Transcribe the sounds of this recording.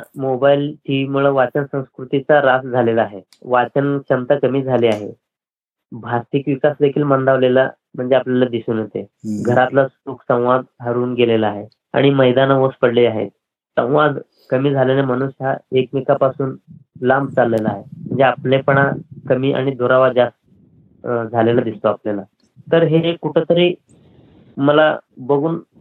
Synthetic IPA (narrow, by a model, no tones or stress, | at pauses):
mobailʈʰiʋimuɭəʋat͡ɕənsə̃w̃skɾut̪it͡saɾasd͡zʱalelaaɦe | ʋat͡ɕənɕəmt̪akəmiːd͡zʱaliaɦḛ | bʱast̪ikʋikasd̪ekʰiːlmə̃nd̪aʋlela̰ | m̤əɳd͡zeapljalad̪isuːnɦot̪eɡʱəɾat̪lasuksə̃w̃ʋad̪ɦəɾuːnɡelelaːɦe | a̰ɽ̃iməjd̪anaʋospəɽliaɦḛt̪ | sə̰̃w̃ʋad̪ | kəmiːd͡zʱalenem̤əñusaekmikapasuːnlambt͡salːelaːɦem̤əɳd͡zeaplepəɳ̃akəmiːʔa̰ɽ̃id̪oɾaʋad͡zast̪ | d͡zʱalelad̪ist̪oaplela | t̪əɾɦekuʈʰet̪əɾiː | məla̰bəɡuːn